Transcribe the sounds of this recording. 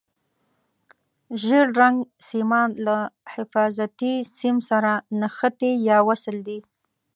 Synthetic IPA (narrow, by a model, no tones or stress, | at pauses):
ʒeɾɾaŋɡsimɑnlahɪfɑzat̪isimsaɾanaxət̪ejɑwasəld̪i